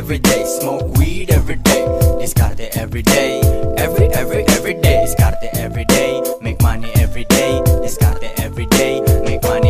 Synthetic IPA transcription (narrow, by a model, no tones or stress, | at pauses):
vɾiɖejsmokwiɖɛvɾiɖejdiskaɾt̪eɛvɾiɖeɛviɛvɾiʔɛvɾiɖediskaɾt̪eʔɛvɾiɖejmekmaniɛvɾiɖejdiska̰ɾt̪eʔɛvɾiɖejmekmani